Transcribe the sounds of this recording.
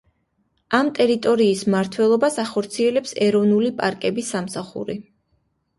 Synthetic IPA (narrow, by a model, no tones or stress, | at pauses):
amt̪ʼɛɾit̪ʼɔɾiːsmaɾt̪ʰwɛlˠɔbasaχɔɾt̪sʰiɛlɛpsɛɾɔvnulipʼaɾkʼɛbisːamsaχṵɾi